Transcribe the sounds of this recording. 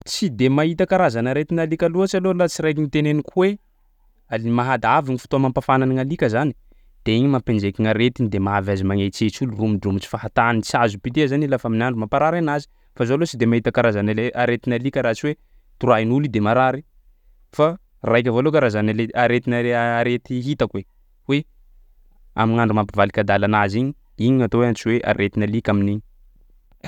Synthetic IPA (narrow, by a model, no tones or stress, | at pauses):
t͡sid̪emait̪akaɾazanaɾet̪inalikʲaluat͡ʃalolat͡siɾajk̬ʲiŋit̪enenikʰuwe | aliimaɦad̪aviŋifi̥t̪oamampafananiŋalikʲəzani | d̪̥eiɲimapend͡ʒekʲiŋaɾet̪inid̪emaavazimaŋet͡set͡ʃulurumiɖ͡ʐumit͡ʃi̥faɦat̪anit͡sazupit̪eazanilafaminaɳɖ͡ʐumampaɾaɾanazi̥ | fazolot͡ʃid̪emaɦit̪akaɾazaneaɾet̪inalikʲaɾat͡ʃiwe | t̪uɾajinulid̪emaɾaɾi | fa | rajk̬ʲavolokaɾazanaleaɾet̪inaaɾet̪iɦit̪akwe | we | a̰minaɳɖ͡ʐumapivalikʲad̪alanaziɲi | iɲiɲat̪oweant͡ʃiweʔa̰ɾet̪inalikʲaminiɲi̥